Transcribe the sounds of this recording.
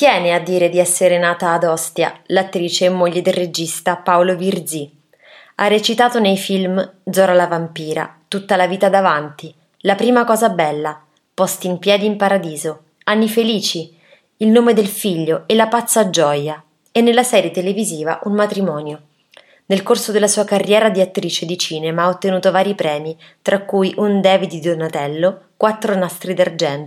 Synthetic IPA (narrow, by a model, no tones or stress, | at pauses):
t̪jɛːnead̪ːiːɾed̪iɛsːeɾenaːt̪aːd̪ɔst̪ja̰lat̪ːɾiːt͡ʃeːmːoʎːed̪elred͡ʒist̪apaolovird̪zi | aret͡ʃit̪aːt̪onejfilmd̪zɔɾalavampiːɾa̰t̪ut̪ːalaviːt̪ad̪avant̪i | lapɾiːmakɔːzabɛlːa | pɔst̪iimpjɛːd̪iːmpaɾad̪iːzo | anːifeliːt͡ʃi | ilnoːmed̪elfiʎːoelapat̪sːad͡ʒɔja | ɛnːelːasɛːɾjet̪eleviziːva̰ʔunmat̪ɾimɔːnjo | nelkorsod̪elːasuːakarːjɛːɾad̪iat̪ːɾiːt͡ʃed̪it͡ʃiːnemaaot̪ːenuːt̪ovaːɾipɾɛːmi | t̪ɾʔakːujʔund̪ɛːvid̪id̪onat̪ɛlːokwat̪ːɾonast̪ɾid̪ard͡ʒɛnt̪